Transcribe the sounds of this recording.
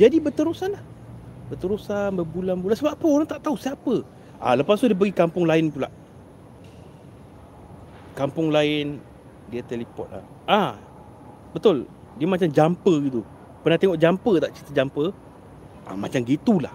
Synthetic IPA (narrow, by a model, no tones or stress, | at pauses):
d͡ʒadibət̪əɾusanlah | bət̪əɾusanbəbulanbulansəbapəoɾaŋt̪aʔt̪ausiapə | ʔa̰ləpas̬t̪udiəp̬əɡikampʊŋlaɪnpula̰ʔ | kampʊŋlaɪn | diat̪elipɔ̰t̪̚la̰ | ʔa | bət̪ʊl | diəmat͡ʃamd͡ʒampəɡit̪u | pənaht̪eŋɔʔd͡ʒampət̪aʔt͡ʃit̪əd͡ʒampə | ʔa̰ma̰t͡ʃamɡit̪ula̰h